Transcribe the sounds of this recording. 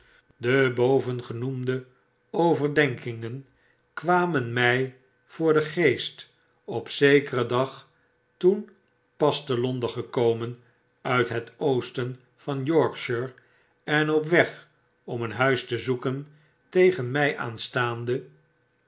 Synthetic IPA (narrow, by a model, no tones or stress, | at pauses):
dəbowvənχənumdə | owvəɹdɛŋkɪŋən | kʋaːmənmɛj | v̥ʊːɹdəχejst | ɔpsejkərədɑχ | tun | pɑstəlɔndəχəkowmən | œɥtɦətʰowstən | v̥ɑnjɔɹkʃəɹ | ɛnɔp̬ʋɛχ | ɔmənɦœɥstəzukən | tejχənmɛjʔa̰ːnstaːndə